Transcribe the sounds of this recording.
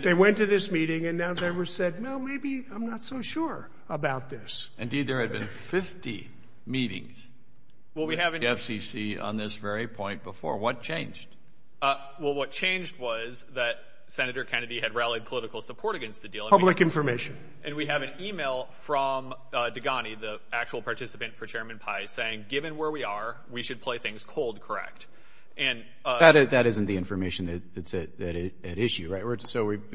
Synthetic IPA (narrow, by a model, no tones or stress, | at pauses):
ðeɪwɛ̃ntɨðɪsmiɾɪ̃ŋɨ̃nːaʊðeɪwə˞sɛd̚wɛlˠmeɪbiãɪ̃mnətsoʊʃʊɹ | əbaʊt̪̚ðɪsʔɨ̃ndid̪̚ðə˞ɨd̚bɨ̃nfɪftḭ | miɾɪ̰̃ŋz̥ | wɛlˠwiɨvɛfsisiə̰̃nðɪsvɛɹipʰɔ̃ɪ̃nb̥əfɔ̰ɹwʌt̚t͡ʃʰẽɪ̃nd͡ʒd̥ | wɛlˠwʌt̚t͡ʃʰẽɪ̃nd͡ʒd̚wʌz | ðɨt̚ | sɛnɨɾə˞kʰɛ̃nɨɾiɨd̚ɹælˠid̚pʰəlɪɾɨkl̩ˠsəpʰɔɹɾɨɡɛ̃nst̪̚ðɨdil̃ˠʌblɨkɪ̃ɱfə˞meɪʃɨ̃n | ʔɨ̃nwiɨvɨ̃nimeɪlˠfɹʌ̃m | dɨɡɑniði | æk̚t͡ʃul̩ˠpʰɑɹtʰɪsə̥pɨ̃ntfə˞t͡ʃʰɛɹmɨ̃npʰaɪseɪɪ̃ŋɡɪvɨ̃nwə˞wiə˞ | wiʃɨd̚pʰl̥eɪθɪ̃ŋz̥kʰoʊlˠd̚kʰə˞ɛ̰k̚t | ʔɨ̃n | ɨɾɪðɨɾɪzɨ̃n̩ðiɪ̃ɱfə˞meɪʃn̩ðɨt̪̚ðɨtsɨɾðɨɾɪɨɾɪʃʉɹaɪt̚wə˞soʊwi